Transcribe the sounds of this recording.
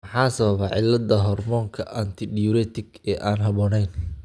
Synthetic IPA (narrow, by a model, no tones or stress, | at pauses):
mɑħɑːsɐβɐβɐʕɪlːɐd̪ɐɦɔrmɔːŋkʰɐʔɐnt̪ʰɪɖɪjɔɾɛt̪ʰɪɡɛːʔaːnɦɐβɔːnɛjn